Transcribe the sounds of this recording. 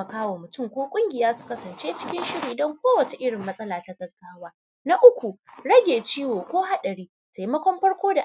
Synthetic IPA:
ɐ˨kaː˦woː˨mʊ˨tʊ˦˨ŋkʷoː˦kʷʼʊ˦ŋɡʲɪ˨jaː˦su̥˨kɐ˦sɐ˨nt͡ʃeː˦t͡ʃɪ̥˦kʲɪ˦nʃɪ˦ɽi˨dɐ˦ŋkʷoː˦wɐ˨t͡ʃe˨ʔɪ˦ɽɪ˨mːɐ˦sʼɐ˦laː˨ta˦ɡʼɐ˨rkaː˦waː˦ | na˦ʔʊ˦kʷu˨ɽɐ˦ɡʲeː˨t͡ʃiː˦woː˨kʷoː˦ɦa˦ɗɐ˨ɽiː˦ | ta˨ji˦mɐ˦kʷɔ˦mɸɐ˦ɽkʷoː˦da˨

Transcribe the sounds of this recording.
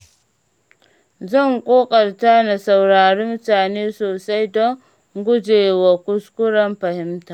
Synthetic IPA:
zɐ˦˨ŋkʼoː˦kʼɐ˨ɾta˦na˨sa˨wɾaː˨ɾi˦m˦taː˨neː˦soː˨sa˦jdɔ˦ŋ | ɡʷʊ˦d͡ʒeː˨wa˨kʊ˦skʊ˦ɾɐ˦mɸɐ˨hɪ˦mta˨

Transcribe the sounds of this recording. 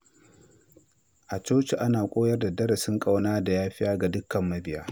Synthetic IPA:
ʔa˨t͡ʃoː˦t͡ʃe˨ʔa˦naː˨kʷʼoː˦jɐ˦rda˨dɐ˦ɽa˨sɪ˦ŋkʼa˦wnaː˦da˨jaː˦ɸɪ˦jaː˦ɡa˨dʊ˦kːɐ˨mːɐ˦bɪ˦˨ja̰ː˦

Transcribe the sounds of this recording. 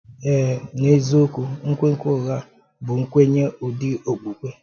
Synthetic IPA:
ɛ˦˨ne˦zo˦o˦kʷu˦ŋ̩˦kʷe˦ŋ̩˦kʷo˦˨ɣa˦ | bʊ˨ŋ̩˦kʷe˦ɲe˦ʊ˨dɪ˦o˨k͡pu˨kʷe˦

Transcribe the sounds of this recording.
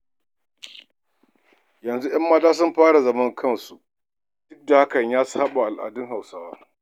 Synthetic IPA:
jɐ˨nzu˦j̰ɐ˦mːaː˦taː˦s̬ʊ˦mɸaː˦ɽa˨zɐ˦mɐ˦ŋkʰɐ˦˨nsu˨ | d̥ʊ˦k̚da˨ha˦kɐ˨ɲjaː˦saː˦ɓa˨ʔa˨lʔa̰ː˨dʊ˦ŋɦa˨wsaː˦waː˦

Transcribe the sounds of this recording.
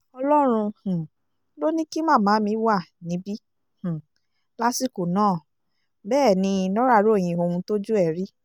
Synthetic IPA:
ɔ˧lɔ˦ɾ̃ũ˧hũ˨ | lo˦nĩ˦ki˦mãː˦˨mãː˨˦mĩ˨˦wa˦˨nĩ˨˦bi˦ | h̩˨ | la˦si˦˨ko˨nãː˦˨ | bɛː˦˨nĩ˧nɔ̃˦ɾa˦˧˨ɾo˦˨j̃ĩ˧o˧hũ˧to˦d͡ʒu˦ɛ˦˨ɾi˦

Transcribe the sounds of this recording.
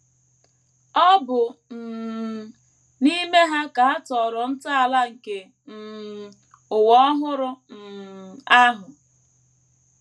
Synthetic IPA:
ɔ˦bʊ˨n̩˨ | ni˦me˦ɦa˦ka˨ɦa˦tɔ˨ɾɔ˨n̩˦ta˦a˨la˦ŋ̩˨ke˨ | n̩˨ | ʊ˨wɔ˦ɦʊ˦ɾʊ˦n̩˨a˦ɦʊ˨

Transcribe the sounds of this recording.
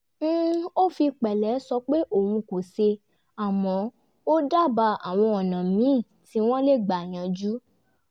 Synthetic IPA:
o˦fi˧k͡pɛ˨lɛ˨˦sɔ˧k͡pe˦ʔo˦˨wũ˧ko˨se˧ | a˨mɔ̃˨˦ | o˦da˦˨ba˧a˨w̃ɔ̃˧ɔ˨nã˨mĩ˨˦˨ | ti˧˦w̃ɔ̃˦le˦˨ɡ͡ba˨j̃ã˨˧d͡ʒu˦

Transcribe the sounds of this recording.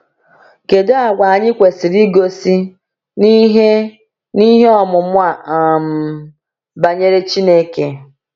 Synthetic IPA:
ke˨da˦a˨ɡʷa˨a˨ɲɪ˦kʷe˨si˨ɾi˦ɡo˦si˦ | n˦ɦe˦ | ni˦ɦe˦ɔ˨mʊ˨mʷ˦a˨a˨m̩˨ | ba˨ɲe˦ɾe˦t͡ʃi˦ne˦ke˨

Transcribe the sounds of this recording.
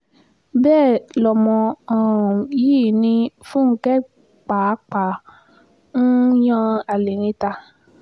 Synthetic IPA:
bɛː˦˨lɔ˨mɔ̃˧ã˨jiː˦˨nĩ˧fũ˦ŋ̩˦kɛ˦ | k͡pa˨˦k͡pa˨ | n̩˦jã˦˧a˨li˨ɾ̃ĩ˧ta˧

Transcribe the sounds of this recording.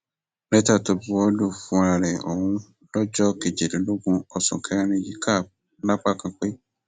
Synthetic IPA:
bɛ˦ta˦˨to˧bu˦ɔ˦lu˦˨fũ˨˦ɾa˧ɾɛ˨o̰˨wũ˧ | lɔ˦d͡ʒɔ˦ke˦˨d͡ʒe˨de˨˦lo˦ɡũ˧ɔ˧sũ˨kʰɛ˦ɾñĩ˧ji˦kʰa˦˨ | la˦k͡pa˦˨kã˧k͡pe˦

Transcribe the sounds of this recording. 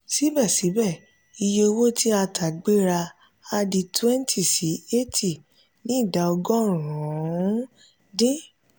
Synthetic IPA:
si˨˦bɛ˦˨si˨˦bɛ˦˨ | i˧je˧o˧wo˦ti˦a˧tʰa˨ɡ͡be˦ɾa˧ | a˧di˧twɛ˦n˦tʰi˦˨si˨˦e˦ti˨ | nĩ˨˦˨da˨˦ɔ˧ɡɔ̃˦˨ɾũ˨˦ | dĩ˦

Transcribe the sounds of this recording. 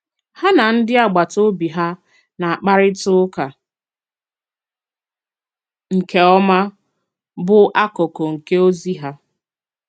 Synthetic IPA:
ha˦na˨n̩˦dɪ˦a˨ɡ͡ba˨to˦bi˨ɦa˦ | na˨a˨k͡pa˦ɾɪ˦tʊ˦ka˨ | ŋ̩˨ke˦ɔ˦ma˦ | bʊ˦ʔa˦kɔ˨kɔ˨ŋ̩˨ke˦o˦zi˦ɦa˦

